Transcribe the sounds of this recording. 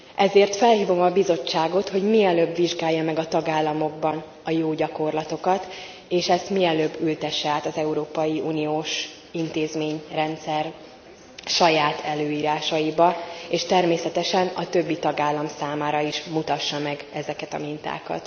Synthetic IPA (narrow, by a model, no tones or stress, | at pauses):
ɛzeːrt̪fɛlɦiːvo̞mɒbizo̞t͡ʃːaːɡo̞t̪ho̞ɟmiɛløbʋiʒɡaːjːɒmɛɡɒt̪ɒɡaːlːɒmo̞ɡbɒn | ɒjoːɟɒko̞rlɒt̪o̞kɒt̪ | eːʃɛst̪miɛløːbːylt̪ɛʃːɛaːt̪ɒzɛuɾoːpɒjiunijoːʃ | int̪eːzmeːɲrɛnt̪sɛr | ʃɒjaːt̪ʰɛløːiːɾaːʃɒibɒeːʃt̪ɛrmeːsɛt̪ɛʃɛnɒt̪ø̞bːit̪ɒɡaːlːɒmsaːmaːɾɒiʃmut̪ɒʃːɒmɛɡɛzɛkɛt̪ɒ̰mint̪a̰ːkɒ̰t̪